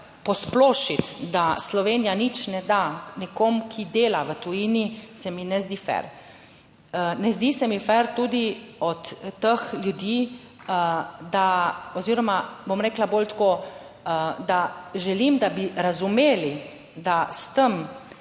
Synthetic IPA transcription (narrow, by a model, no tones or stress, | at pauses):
pɔsploːʃit̪d̪aslɔʋeːnijanit͡ʃnɛd̪anikomkʰid̪eːlaʋət̪ujiːnisɛminɛzd̪iːfɛ̰ɾ | nɛzd̪isɛmifɛɾt̪uːd̪iɔt̪ːəxljud̪iː | d̪aɔziːɾɔmabomɾɛːklabolt̪koː | əd̪aʒɛlimd̪abiɾazumeːli | d̪ast̪əm